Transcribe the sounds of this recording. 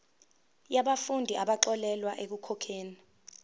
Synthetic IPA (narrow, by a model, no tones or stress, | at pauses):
jaɓafundʱiʔaɓaǃɔlɛlwaʔek̬ukʰɔkʰeːni